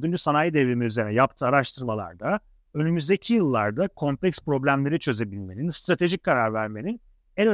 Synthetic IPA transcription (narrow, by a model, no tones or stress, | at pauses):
d̪ynd͡ʒysanajid̪evimiyzeɾinɛjap̚t̪ʰɯːaɾaʃt̪ʰɯɾmalˠa̰ɾd̪a | ø̞nymyzd̪ecʰijɯlˠːa̰ɾd̪akʰo̞mpʰlʲɛkspɾo̞blʲæmlʲe̞ɾit͡ʃʰø̞ze̞bilʲme̞ninst̪ɾat̪ʰe̞ʒic̚kʰaɾaɾvæɾmenin | ɛɾ